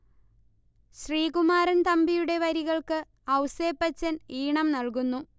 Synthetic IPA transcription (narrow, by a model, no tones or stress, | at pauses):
ɕriːkumaːɾɐnt̪ɐmbijuɽe̞ʋɐɾiɣɐɭkɨ | ɐwse̞ːpːɐt͡ɕːɐniːɳɐmnɐlkunːu